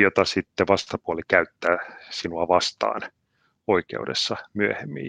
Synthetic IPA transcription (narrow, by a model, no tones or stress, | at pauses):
jot̪ɑsit̪ːeʋɑst̪ɑpuɑlikæyt̪ːæːsinuɑʋɑst̪ɑ̰ːn | oikḛudḛsːɑmyøhemːḭː